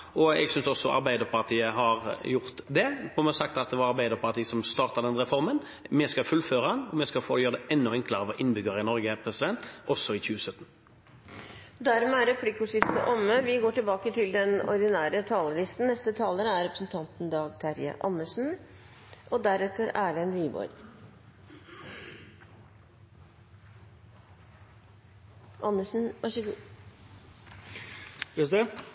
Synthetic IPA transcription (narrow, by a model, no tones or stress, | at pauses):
ʔɔɛ̰ɡsʏnsɔsɔʔɑ̰ɾbæɪd̪əɾpɑʁt̪ʰiːəɦɑɾjʊʁt̪d̪ɛpʰɔmɛsɑkt̪ɑt̪̚d̪ɛʋɑɾɑɾbæɪd̪əɾpʰɑʁt̪iːəsɔmst̪ɑːʁt̪ɑd̪ɛnʁɛfɔɾmən | mɛskɑfʉlføːɾəɑnɔmɛskɑlfoːjøːɾəd̪ɛʔɛnːʊɛŋkləʁəʋɔʔɪnbʏɡəɾɪnɔɾɡəpʰɾɛsɪd̪ɛnt̪ʔɔsːɔɪçʉːəsœt̪ːn | d̪æɾmɛæɾɛpʰlikːʊːʂɪft̪ə̰ʔɔmːəʋɪɡoːʈɪlbɑːkət̪ʰɪld̪ɛnɔ̰ɾd̪ɪnæːɾət̪ʰɑːləlɪst̪n̩nɛst̪ət̪ʰɑːləɾəæɾɛpɾəsn̩t̪ʰɑnt̪n̩d̪ɑːɡt̪ʰæɾjə̰ʔɑnːəʂn̩ | ʔɔd̪æɾɛt̪ːəɾæːɭɛnʋiːbɔ̰ɾ | ʔɑnːəʂn̩ʋɑʂə | sd̪ɛ